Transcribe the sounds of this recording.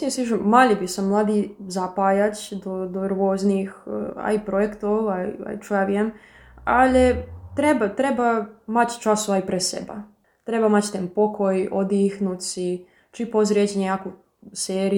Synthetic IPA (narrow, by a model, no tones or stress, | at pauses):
siesiʃomaʎibisammːlˠaːd̪izapaːjat͡ɕd̪od̪oɾʋoznixa̰ipɾojekt̪oʋaia̰it͡ʃuaʋjem | alet̪ɾebat̪ɾebamat͡ɕt͡ʃasoʋaipɾesḛba̰ | t̪ɾebamat͡ɕt̪eːnpokʰojod̪ixnut̪si | t͡ʃipozɾjet͡ɕeɲejaːku | seːɾi